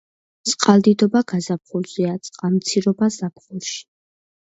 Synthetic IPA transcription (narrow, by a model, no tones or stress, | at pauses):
t̪sʼqʼald̪id̪ɔbaɡ̥azap̚χulz̥iat̪sʼqʼamt̪sʰiɾɔbazap̚ʰχulˠʃi̥